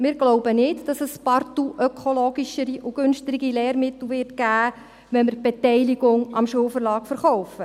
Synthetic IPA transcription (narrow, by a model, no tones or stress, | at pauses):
mɪːɾɡlɔʊbənɪtd̥ɑsɛspɑrtuʔœkʰoloːɡiʃəɾiʔuɡ̥ɵnʃtəɾɪɡilɛːɾmɪtl̩ˠʋɪːrtɡ̥æː | ʋɛnməɾb̥ɛtɛɪliɡʊŋɑmʃuːlfəɾlɑːkfəɾχɔʊfə